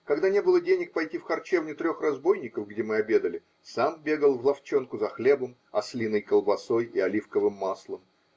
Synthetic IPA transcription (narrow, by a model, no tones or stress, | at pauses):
kɐɡd̪anʲe̞bɨlˠədʲenʲɪk̚pɐjtʲifxɐrt͡ɕe̞vnʲʊt̪ɾʲo̞xrɐzbo̞jnʲɪkəfɡdʲe̞mɨɐbʲe̞d̪əlʲɪ | sambʲe̞ɡəlˠvlˠɐft͡ɕo̞nkʊzɐxlʲe̞bəm | ɐslʲinəjkəlˠbɐso̞jɪ̰ɐlʲifkəvɨmːaslˠəm